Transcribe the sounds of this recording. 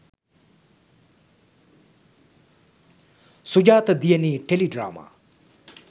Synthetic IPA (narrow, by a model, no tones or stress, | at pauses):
sud͡ʒaːt̪d̪ijəniʈeliɖɾa̰ːma̰